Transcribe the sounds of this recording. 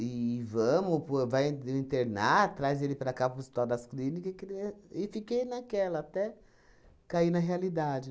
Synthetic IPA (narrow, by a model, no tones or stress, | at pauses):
ɪvɐ̃mʊpovajĩnt̪eɾna̰t̪ɾajzelɪpɾɐkapɐpust̪ad̪ɐsklĩnikɐskɪfikejnakɛlɐːt̪ɛ | kainɐɦealid̪ad͡ʒɪ